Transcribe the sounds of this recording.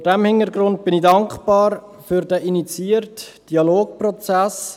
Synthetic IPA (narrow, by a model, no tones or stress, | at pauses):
fdɛmhɪnəɾɡɾʊnt̚b̥ɪnidɑŋkχpɑːɾfyɾdæʔinit͡siərtd̥iɑloːk̚prɔt͡sæs